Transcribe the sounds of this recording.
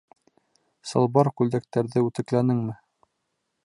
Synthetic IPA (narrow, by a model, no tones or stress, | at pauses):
sɤ̆lˠbɑɾkʉld̪æk̚t̪æɾðɘʉt̪ɘ̆klænɘŋmɘ